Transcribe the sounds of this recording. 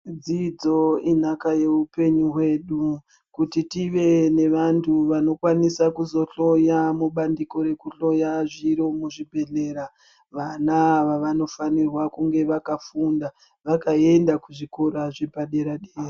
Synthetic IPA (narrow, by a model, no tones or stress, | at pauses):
d͡zid͡zo̞inakaje̞upe̞ɲuɦwe̞ɗu | kutitiʋe̞ne̞ʋantʰuʋano̞kwanisakuzo̞ɬo̞jamuɓandiko̞ɾe̞kuɬo̞jaʐiɾomuʐibʱe̞ɮe̞ɾa | ʋanaʋaʋano̞fanirwakuŋɡe̞ʋakafunda | ʋakae̞ndakuʐikoɾaʐe̞paɗe̞ɾaɗeːra